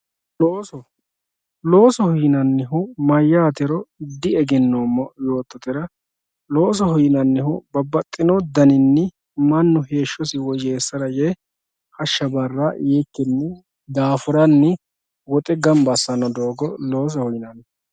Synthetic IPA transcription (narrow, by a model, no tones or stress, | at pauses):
loːsɔ | lo̞ːsɔhʊjɪnɐnːɪɦʊmɐjːaːt̪ɛɾɔd̪ɪɛɡɛnːoːmːɔjo̞ːt̪ːɔt̪ɪɾɐ | lo̞ːs̬ɔhʊjɪnɐnːɪhʊbɐbːɐt̪ʼːɪnɔd̪ɐnɪnːɪ | mɐnːʊhe̞ːʃːɔsɪwɔd͡ʒeːsːɐɾɐjɛ | hɐʃːɐbɐrːajekːɛnːɪ | d̪aːfʊɾɐnːɪ | wɔt̪ʼɛɡɐmbɐsːɐnɐd̪o̞ːɡɔlo̞ːs̬ɔhʊjɪnɐn